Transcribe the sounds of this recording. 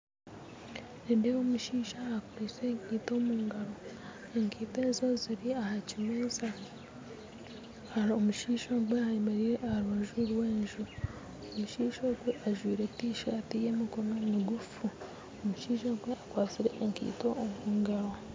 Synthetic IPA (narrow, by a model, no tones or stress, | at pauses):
nedeomuʃiːʃaːkuɾiseŋkiːto̞ːmuːŋɡaɾo̞ | eŋkiːteːnzo̞ziɾiahacimuːza | aomuʃiːʃoɡweaimeɾiɾeaɾoːʒuɾwe̞ːnʒu | omuʃiːʃoɡweʔaʒwiːɾetiːʃaːtijemikonomiɡufu | omuʃiːʃoɡweakwaːt͡siɾe̞ʔːŋkḭːto̞ːmuːŋɡaɾo